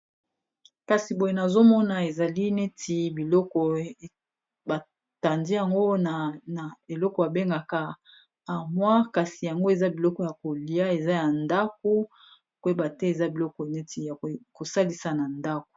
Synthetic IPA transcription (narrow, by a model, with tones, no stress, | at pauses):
ka˨si˨bo˨je˨˦na˨zo˦mɔ˦na˨e˨za˨li˦ne˦tʰi˨bi˨lɔ˦kɔ˨ | ba˨ | ta˨ndi˦ja˨ŋɡo˦a˨na˨e˨lɔ˦kɔ˨ja˨be˦ŋɡa˨ka˦ | a˨mwa˦ka˨si˨ja˨ŋɡo˦e˨za˦bi˨lɔ˦kɔ˨ja˨ko˨li˨ja˦e˨za˦ja˨nda˦k̚o˦ | kwe˦ba˨tɛ˦e˨za˦bi˨lɔ˦kɔ˨ne˦ti˨ja˨ko˨sa˦li˨sa˨na˨nda˦ko̥˨